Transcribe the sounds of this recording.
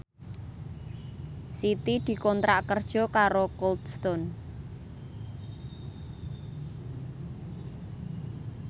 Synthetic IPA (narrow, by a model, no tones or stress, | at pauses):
sit̪id̪̥i̤kɔnt̪ɾaʔkərd̥ʒ̥ɔ̤kaɾokɔld̪st̪ɔn